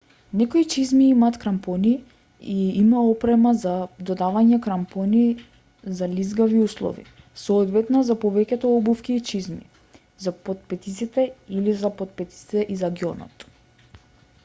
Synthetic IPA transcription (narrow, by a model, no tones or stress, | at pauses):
nɛkoit͡ʃizmiimaːt̪kɾampɔni | iimaɔpɾɛmazad̪ɔd̪avaɲɛkɾampɔni | zalizɡaviuslˠɔ̰vḭ | sɔːd̪vɛt̪nazapɔvɛcʲɛt̪ɔɔbufkʲiːt͡ʃizmḭ | zapot̪̚pɛt̪it̪sit̪ɛilizapot̪̚pɛt̪i̥i̥t̪ɛʔizaɡiɔnɔ̰t̪